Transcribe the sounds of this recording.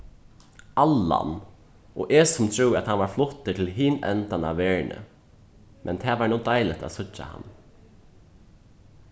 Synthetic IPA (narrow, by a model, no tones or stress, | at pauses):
ʔalːa̰n | ʔɔːʔeːsʊmt̪ʰɹuːɛt̪hanʋaɹflɔt̪ːət̪ʰɪlɦiːnʔɛnt̪anaʋɛːɹɳʔə̰ | mʔɛnt̪ʰɛːʋaɹnuːd̪ajlɪt̪a̰sʊa̰ha̰nː